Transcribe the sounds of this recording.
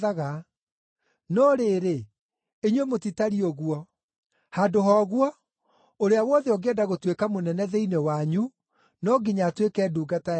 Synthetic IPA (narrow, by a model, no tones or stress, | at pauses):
aɣa | nɔɾeɾe | eɲwemotitaɾiɔɣwɔ | hadoɦɔːɣwɔ | oɾeawɔðɛɔɡeɛdaɣotwekamonɛnɛðɛinewaɲu | nɔɡiɲatwekɛːduːɡata